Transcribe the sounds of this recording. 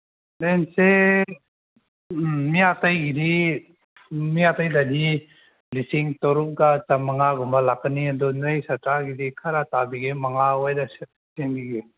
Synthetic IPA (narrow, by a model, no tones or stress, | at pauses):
dense | mijatajɡidi | mijatajdadi | lisiŋtɔɾup̚ɡat͡ʃamaŋaɡumbalakːaniadɔnajsatɾaɡidikʰaɾatabiɡemaŋaojdas | seŋbiɡe